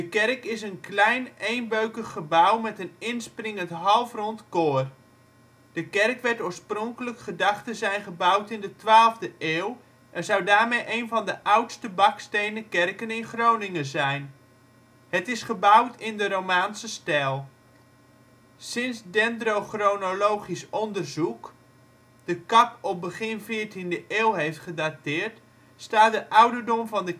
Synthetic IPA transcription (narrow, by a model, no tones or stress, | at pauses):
dəkɛrkɪs̬ənklɛjnejnbøɥkəχːəbawmɛtənɪnsprɪŋəntɦɑlˠfrɔntkoːr | d̥əkɛrkʋɛɹtoːɹsproŋkələkχədɑχtəzɛjnχəbawtɪndətʋaːlˠvdəʔeːw | ʔɛnzawdaːɹmejʔejnvɑndəʔawtstəbɑkstejnəkɛrkənɪnχrownɪŋəzɛjn | hətɪsχəbʌwtʰɪndəɾowmaːnsəstɛlˠ | sɪnsdɛndrowχronolowχisɔndərzuk | d̥əkɑpɔp̚bəχɪnvɪːɹtindəʔeːwɦejftχədatɪːɹt | staːt̚dəʔʌwdəɹdɔmvɑndə